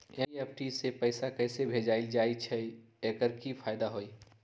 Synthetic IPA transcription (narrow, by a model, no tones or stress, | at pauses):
eep̚ʰʈisepəɪsakɛːsebʱeːd͡ʒaːild͡ʒaːit͡ʃʰɛ | eːkəɾkipʰaːjd̪aɦoːiː